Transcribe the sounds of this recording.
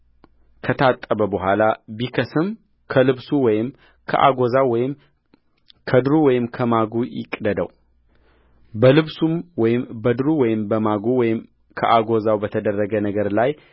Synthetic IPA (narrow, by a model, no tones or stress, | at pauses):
kʰət̪ʰat̪ʼːəbəbəɦʷalabikʰəsɨm | kʰəlɨβsuwɔjɪm | kʰə̰ʔa̰ɡo̞zawɔjɪm | kʰəd̪ɾuwɔjɪmkʰəmaɡujɪ̰kʼd̪əd̪ə̰w | bəlɨβsumwɔjɪmbəd̪ɾuwɔjɪmbəmaɡuwɔjɪm | kʰə̰ʔaɡo̞zawbət̪ʰəd̪ərːəɡənəɡəɾlaj